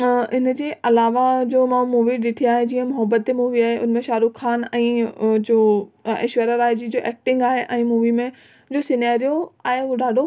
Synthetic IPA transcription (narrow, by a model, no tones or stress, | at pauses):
ɪnəd͡ʑeːʔɐlaːʋad͡ʑoːmãːũmuːʋiɗɪʈʰiaːɦed͡ʑĩːə̃mʊɦəbət̪̚ːemuːʋiaːɦeʔʊ̰n̤ə̆mẽʃaːɾukxaːnɛ̃ːd͡ʑoːḛːʃʋeːɾaɾaːjd͡ʑid͡ʑoːʔɛːk̚ʈɪ̃ŋɡaːɦeʔɛ̃ːmuːʋimẽ | d͡ʑoːsɪnaːɾijoaːɦeɖaːɖʱo